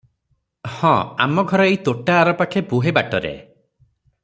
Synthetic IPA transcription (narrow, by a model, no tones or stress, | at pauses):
hɔ̃a̰mɔɡʱɔɾɔejt̪oʈaːɾɔpakʰebuɦebaʈɔɾḛ